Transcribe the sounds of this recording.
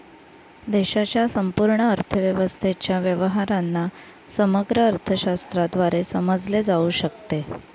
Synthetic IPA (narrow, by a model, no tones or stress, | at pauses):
d̪eɕat͡ɕjasəmpuɾɳəːɾt̪ʰəʋjəʋəst̪ʰet͡ɕjaʋjəʋəɦaɾanːa | səməɡɾəːɾt̪ʰəɕast̪ɾad̪ʋaɾesəməd͡zled͡zauːɕəkt̪e